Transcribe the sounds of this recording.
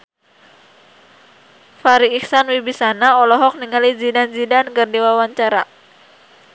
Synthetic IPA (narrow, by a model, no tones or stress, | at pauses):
faɾiːksanwibisanaɔlɔɦɔk̚niŋalid͡ʒidanzidankɨrdiwawaɲt͡ʃaɾa